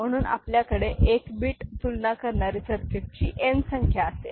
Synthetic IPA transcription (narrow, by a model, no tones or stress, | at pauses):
m̤əɽ̃uːnʔa̰pljakəɽeʔekbiːʈt̪ulnakəɾɳaɾiːsəɾkʰet̚t͡ɕḭːʔensəŋkʰjaːsḛ